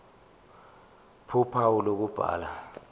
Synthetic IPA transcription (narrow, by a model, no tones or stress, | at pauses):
pʰupʰaulok̬ub̥ʱa̰ːla